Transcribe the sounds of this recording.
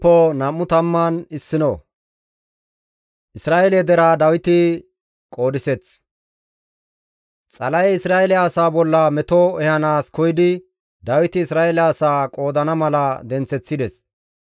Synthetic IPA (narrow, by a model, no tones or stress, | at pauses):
pːɔnɐmːʊt̪ɐmːɐnɪsːɪnɔ̰ | ʔɪsɾaːʔɛlɛd̪ɛɾaːd̪ɐwɪt̪ɪ | kʼo̞ːd̪ɪsɛt͡s | t͡sʼɐlɐjɪsɾaːʔɛlɛaːsaːbɔlːɐmɛt̪ɔɛhɐnaːskɔjɪd̪ɪ | d̪ɐwɪt̪ɪːsɾaːɛlːsaːkʼo̞ːd̪ɐnɐmɐlɐd̪ɛnt͡sːɛt͡sːɪd̪ɛs